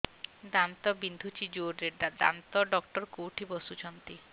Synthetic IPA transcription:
d̪ant̪ɔbind̪ʱut͡ɕid͡ʑoɾeɖad̪a̰nt̪ɔɖɔkʈɔɾkoʈʰibɔsut͡ʃʰɔnt̪i

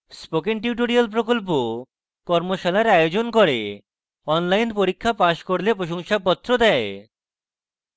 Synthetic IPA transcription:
spokeŋʈ̬iuʈ̬oɾialp̬ɾokolp̬o | kɔɾmoʃalaɾajod͡ʑonkoɾe | ɔnlajnpoɾikʰːapaʃkoɾlepɾoʃoŋʃap̬ɔt̪ːɾod̪ɛe

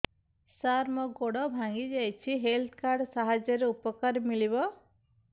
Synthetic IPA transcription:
saɾmɔɡoɽɔbʱaŋɡid͡ʒajt͡ʃʰiɦelt̪ʰkaɾɖsaɦad͡ʒjɔɾeupɔkaɾmilibɔ

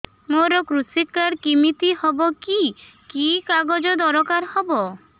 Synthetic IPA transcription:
moɾɔkɾusikaɾkimit̪ihɔbɔki | kikaɡod͡ʒɔd̪ɔɾɔkaɾhɔbɔ

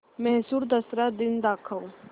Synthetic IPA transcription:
mɛɦsuːɾd̪ɐsɾad̪ɪnd̪aːkʰəw

